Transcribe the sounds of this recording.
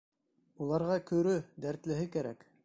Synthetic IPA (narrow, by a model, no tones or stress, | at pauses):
ulˠɑɾʁɑkɵ̆ɾɵd̪æɾt̪lɘ̆ɦɘkæɾæk